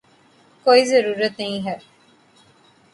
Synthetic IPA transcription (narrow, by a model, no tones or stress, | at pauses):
koizəɾuːɾət̪nɐĩɦɛ